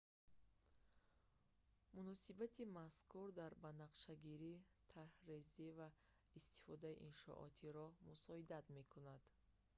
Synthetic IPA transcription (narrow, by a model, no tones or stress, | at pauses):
munɔsibat̪ʰimaskuɾd̪aɾbanaqʃaɡiɾi | t̪ʰaɾhreziva | ist̪i̥fɔd̪aḭʔinʃɔ̰ʔɔ̰t̪ʰiɾɔmusɔid̪at̪me̞kʰunad̪̥